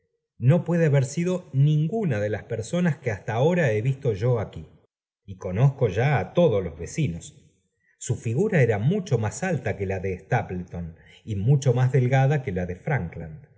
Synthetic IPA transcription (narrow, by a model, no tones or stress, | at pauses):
no̞pweðeaβeɾsiðo̞nĩŋɡunaðe̞laspeɾso̞naskeast̪aːo̞ɾae̞βist̪o̞ʒo̞aki | iko̞no̞sko̞ʒaːt̪o̞ðoslozβe̞sinosː | ufiɣuɾaeɾamut͡ʃo̞masalt̪akelaðeːst̪aplet̪on | imut͡ʃo̞mazðe̞lɣaðakelaðe̞fɾaŋkland̪